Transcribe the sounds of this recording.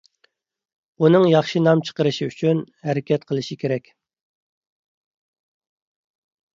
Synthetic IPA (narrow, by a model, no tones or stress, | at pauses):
unɨŋjɑχʃinɑmt͡ʃʰə̥qəɾɨʃiyt͡ʃʰyn | hæɾɪkʲʰɛt̪̚qʰəlˠɨʃikʲeɾɛkʲ